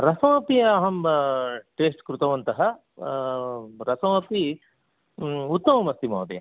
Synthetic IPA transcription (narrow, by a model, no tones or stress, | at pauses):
ɾɐsɐwɐpiɐɦɐm | ʈeːsʈkɾut̪ɐʋɐnt̪ɐɦɐ | ɾɐsɐʋɐpi | ut̪ːɐmɐmɐst̪imɐwd̪ijɐ